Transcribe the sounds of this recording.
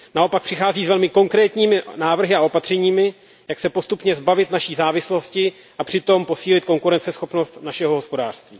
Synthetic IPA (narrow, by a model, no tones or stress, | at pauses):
nao̞pak̚pr̥ɪxaːziːzvɛlmɪko̞ŋkɾɛːt̪ɲiːmɪnaːvr̩ɦɪao̞pat̪r̝̥ɛɲiːmɪ | jaksɛpo̞st̪upɲɛzbavɪt̪naʃiːzaːvɪslo̞scɪ | ʔapr̝̥ɪt̪o̞mpo̞siːlɪt̪̚ko̞ŋkuɾɛnt͡sɛsxo̞pnost̪naʃɛɦoɦo̞spo̞daːr̥st̪viː